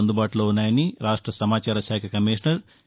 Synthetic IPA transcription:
ɐnd̪ubaːʈulo̞ːunːaːjɐniɾaːʂʈɾɐsɐmaːt͡ʃaːɾɐʃaːkʰɐkɐmiːʂɳɐɾ

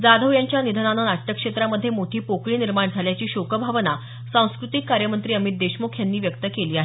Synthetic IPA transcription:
d͡zad̪ʱəʋjaɲt͡ɕjanid̪ʱənananaʈːəkʂet̪ɾaməd̪ʱːjemoʈʰiːpokɭiːniɾmaɳd͡zʱaljat͡ɕiːɕokəbʱaʋəna | sãw̃skɾut̪ikːaɾjəmənt̪ɾiːəmit̪̚d̪eɕmokʰjanːiːʋjəkt̪əkeliːaɦe

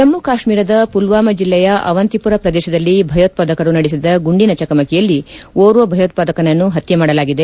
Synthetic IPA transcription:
t̪ɐmːukaːʃmiːɾɐd̪ɐpulʋaːmɐd͡ʒilːɛjɐʔɐ̰ʋɐnt̪ipuɾɐpɾɐd̪ɛːʃɐd̪ɐlːibʱɐjoːt̪̚paːd̪ɐkɐɾunɐɽis̬id̪ɐɡuɳɖinɐt͡ʃɐkɐmɐkɛjɐlːioːɾuʋɐbʱɐjɐːt̪̚paːd̪ɐkɐnɐnːuɦɐt̪jɐmaːɽɐlaːɡid̪e̞

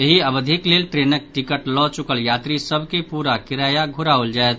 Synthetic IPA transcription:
jeɦiɐbəd̪ʱɪkleːlʈɾeːnək̚ʈɪkəʈlɔ̃t͡ʃʊkəljaːt̪ɾisəbʱkepuːɾakɪɾaːjaɡʱʊɾaʊld͡ʒaːet̪

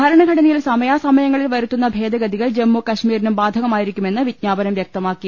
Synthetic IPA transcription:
ɐɾɐɳɐɡʱɐɽɐnijilsɐmɐjaːsɐmɐjɐŋːɐɭilʋɐɾut̪ːunːɐbʱe̞ːd̪ɐɡɐd̪iɣɐɭd͡ʑe̞mːukɐɕmiːɾinumbaːd̪ʱɐɣɐmaːjiɾikʲːume̞nːɨʋid̪̚ɲaːbɐnɐmʋjɐk̚t̪ɐmaːkːi

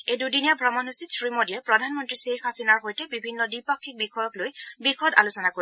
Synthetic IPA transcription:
ejdudinijabʱɹɔmɔnɦusitsɹimɔdijɛpɹɔdʱanmɔntɹisexasinaɹɦojtɛbibʱinːɔdipɔkʰːik̚bikxʰɔjɔklojbixɔda̰lusɔnakoi

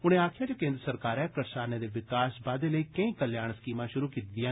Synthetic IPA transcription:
ʊɽ̃ẽːaːkʰɪjaːd͡ʒaːkẽːnd̪ɾəsəɾkaːɾɛːkəɾsaːneːd̪eːʋɪkaːsbaːd̪eːləiːkəĩːkəljaːɽ̃sə̥kiːmãːʃʊɾuːkiːt̪ːijãː

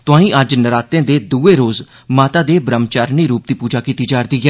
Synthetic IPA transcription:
t̪ʊãːĩːʔəd͡ʒnəɾaːt̪ẽːd̪eːd̪uːeːɾoːz | maːt̪aːd̪eːbɾəmt͡ʃaːɾniːɾuːp̚d̪iːpuːd͡ʒaːkiːt̪iːd͡ʒaːɾd̪iːɡɛː

